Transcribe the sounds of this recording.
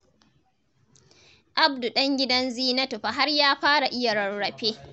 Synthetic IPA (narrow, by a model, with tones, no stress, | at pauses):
ʔa˦bdu˨ɗɐ˦ŋɡʲɪ˦dɐ˦nziː˦nɐ˦tu˨ɸa˨ɦa˦rjaː˦ɸaː˦ɽa˨ʔɪ˦ja˨ɾɐ˨ɽɽɐ˨ɸeː˦